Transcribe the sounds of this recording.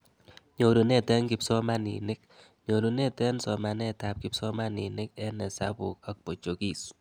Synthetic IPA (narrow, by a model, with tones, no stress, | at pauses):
ɲo˨ɾu˨nɛ˦tɛ˦ŋki˦psɔ˦ma˦nḭ˨nɪ˦k̚ | ɲo˨ɾu˨nɛ˦tɛ˦nsɔ˨ma˨nɛ˦ta˨p̚ki˨psɔ˦ma˦nḭ˨nɪ˦k̚ɛ˦nɛ˨sa̰˦pu˨k̚a˨k̚po˨t͡ʃo˨ki˨s